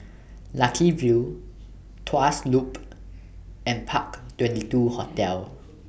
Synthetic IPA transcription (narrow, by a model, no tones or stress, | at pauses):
lakʰivi | tʰaslup | ɛ̃npʰaktwɛ̃ntituhɔtɛl